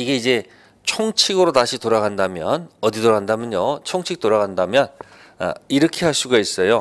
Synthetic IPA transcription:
iɡe̞id͡ʑe̞ | t͡ɕʰoŋt͡ɕʰiɡɯɾotaɕʰitoɾaɡandamjʌnʌditoɾaɡandamjʌɲot͡ɕʰoŋt͡ɕʰik̚t͈oɾaɡandamjʌn | a̰iɾʌkʰe̞ɦaɭs͈uɡais͈ʌjo

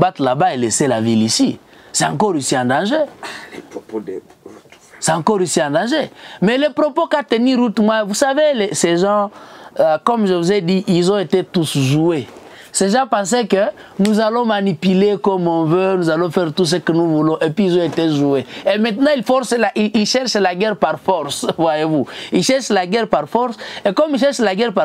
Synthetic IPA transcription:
bat̪labaelesela̰vilisi | sɛã̰ŋk̬ɔɾisiãdãʒe | seãŋkɔɾisiãndãʒemɛlepʁopokateniɾutmwavusavelesɛʒɑ̃ | kɔmʒəvuzɛdiʔilzɔ̃etetusʒue | sɛʒãpãs̬ɛkə | nuzalɔ̃manipylekɔmɔ̃vønuzalɔ̃fɛʁt̪us̬əkənuvulɔ̃ʔepɥiːzɔ̃eteʒueemɛ̃t̪ənɑ̃ilfɔɾselaʔiilʃɛʁʃlaɡɛʁpaʁfɔɾsvwajevuilʃɛɾʃlaɡɛɾpaɾfɔɾsekɔmiʃɛɾʃlaɡɛɾpa

